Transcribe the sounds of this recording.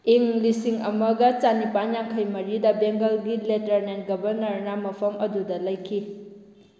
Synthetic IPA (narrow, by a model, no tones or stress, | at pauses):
iŋlisiŋɐmɐɡɐt͡ʃanipanɲjaŋkʰajmɐɾidɐbeŋɡɐlɡiletɐɾnen̚ɡɐbɐɾnɐɾnamɐpʰɐmɐdudɐlɐjkʰi